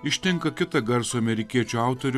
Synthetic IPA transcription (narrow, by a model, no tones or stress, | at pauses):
ɪʃʲt̪ʲɪŋkɐkʲɪt̪ɐɡɐɾsʊɐmʲɛɾʲɪkʲiɛt͡ʃʲʊɑˑʊt̪oɾʲʊ